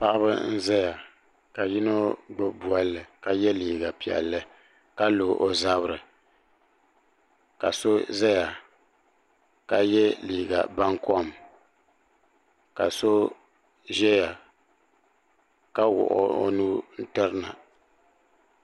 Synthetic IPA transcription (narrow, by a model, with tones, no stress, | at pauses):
pa˦ʔa˦bɨ˦n̩˦zɛ˦ja˨ | ka˨ji˦no˦ɡ͡bɨ˦bu˨a˦lːɨ˨ka˨jɛ˦liː˨ɡa˨pi˨ɛ̰˨lːɨ˦ | ka˦lo˨ʔo˨za˦bɨ˦ɾɨ˨ | ka˨so˦zɛ˦ja˨ | ka˨jɛ˦liː˨ɡa̰˨ba˦ŋkɔ˦˨m | ka˨so˦ | ʒɛ˦ja˨ | ka˦wʊ̰˨ʔɔ̰˦o̰˦nu˦n̩˦tɨ˦ɾɨ˦na̰˨